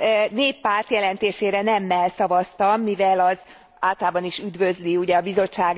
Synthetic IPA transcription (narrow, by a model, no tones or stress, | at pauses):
neːpːaːrt̪jɛlɛnt̪eːʃeːɾɛnɛmːɛlsɒvɒst̪ɒmːivɛlɒz | aːlt̪ɒlaːbɒniʃyd̪vø̞zliuɟɛɒbizo̞t͡ʃːaːɡ